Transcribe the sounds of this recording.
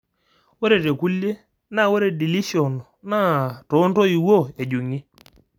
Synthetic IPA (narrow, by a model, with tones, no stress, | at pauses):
wɛ˦ɾe˨ɾe˨ku˦lje˦ | na˦˨we˦ɾe˨di˨li˦ʃiɔ˨nɔ˨na˦tɔ˨˦ntɔ˦i˨wo˦˨e˨ɟu˨ŋi˦